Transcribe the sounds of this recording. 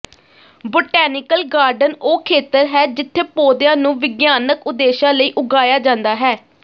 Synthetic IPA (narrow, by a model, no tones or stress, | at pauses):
bʊʈɛːnɪkəlɡaːɾɖənoːkʰeːt̪əɾɦɛːd͡ʒɪt̪ʰːeːpoːd̪jãːnũːʋɪɡjaːnəkʊd̪eːʃãːləiːʔʊɡaːjaːd͡ʒãːnd̪aːɦɛː